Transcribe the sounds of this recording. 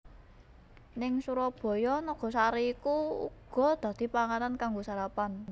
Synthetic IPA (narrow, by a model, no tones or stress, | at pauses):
nɪŋsuɾɔb̥ɔ̤jɔnɔɡ̥ɔ̤saɾiːkuṵɡ̥ɔ̤d̪̥ä̤d̪̥i̤paŋanankaŋɡosaɾapan